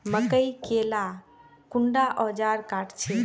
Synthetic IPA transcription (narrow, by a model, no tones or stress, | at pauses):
məkəjkela | kuɳɖaʔɔd͡ʒaɾkaʈt͡ʃʰɛ